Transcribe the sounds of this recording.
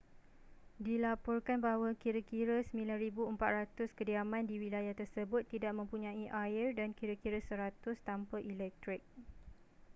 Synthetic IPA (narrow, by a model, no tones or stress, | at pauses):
dilapɔrkanbaɦawakiɾakiɾasəmbĩlanɾibuəmpat̪rat̪ʊskədiamãndiwilajaht̪ərsəbʊt̪ːidaʔ̚mə̃mpuɲãiʔaɪrdankiɾakiɾasəɾat̪ʊst̪ampəʔilɛk̚t̪ɾɪk̚